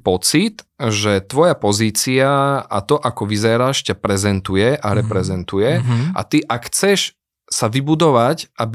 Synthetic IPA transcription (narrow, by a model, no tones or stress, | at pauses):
pɔt͡sit̪ʒɛt̪ʋɔjapɔziːt͡siaa̰t̪ɔʔakɔʋizɛɾaːʃcapɾɛzɛnt̪ujɛʔaɾɛpɾɛzɛnt̪ujɛa̰t̪iʔakxt͡sɛʃ | saʋibud̪ɔʋacʔabi